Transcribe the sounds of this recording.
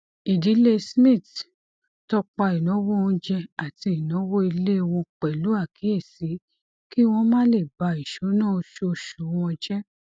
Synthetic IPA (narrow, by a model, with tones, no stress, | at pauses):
i˨di˨˦le˦˧smĩ˦˨t | tɔ˧k͡pa˧i˨nõ˨˦wo˦ɔ̃˧d͡ʒɛ˧a˨ti˧i˨nɔ̃˨˦wo˦i˧le˦˧wɔ̃˧k͡pɛ˨lu˨˦a˦˨kʰi˨˦e˦˨si˨˦ | ki˦w̃ɔ̃˧˦mã˦le˦˨ba˧i˨ʃo˨˦nãː˦˧ʃo˧ʃu˨˦wɔ̃˧d͡ʒɛ˦